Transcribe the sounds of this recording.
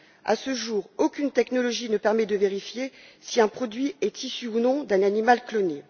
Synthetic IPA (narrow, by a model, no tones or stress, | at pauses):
a̰səʒuːʁokʲynt̪ɛknɔlɔʒinəpɛʁmɛd̪əveʁifjesiɛ̃pχɔd̪ɥiɛt̪ʰisyunɔ̃d̪ɛ̃nanimalklɔne